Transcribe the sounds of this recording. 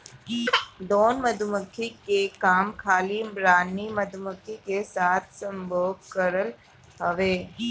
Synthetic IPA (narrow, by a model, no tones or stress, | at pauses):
d̪oːnmɐd̪ʱʊməkʰːikekaːmkʰaːliɾaːnːimɐd̪ʱʊməkʰːikesaːt̪̚ʰsɐ̃mbʱoːɡkəɾəl | ɦɐʋeː